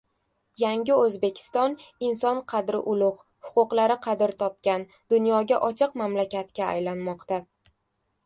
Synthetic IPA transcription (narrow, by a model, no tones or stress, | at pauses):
jaŋʲɪɵzbe̞kʲʰɪ̥st̪ɒnɪnsɒnqʰɑd̪ɾɪ̰ʔʊlˠʊʁ | hʊqʊqlˠaɾɪqʰɑd̪ɪɾt̪ʰɒp̚kʲan | d̪̥ʊnjɒɡʲaʔɒt͡ʃʰɨqmamlakʲat̪kʲaa̰jlanmɒqt̪a